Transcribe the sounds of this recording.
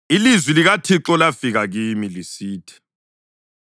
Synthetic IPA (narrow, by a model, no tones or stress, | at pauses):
ilizwiliɣatʰiǁɔlafiɣaɣimilisiːtʰɛ̥